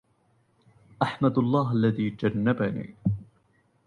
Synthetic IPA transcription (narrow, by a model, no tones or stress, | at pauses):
ʔaħmad̪ɑlˤːɑːɦʔalːaðiːd͡ʒanːabanḭː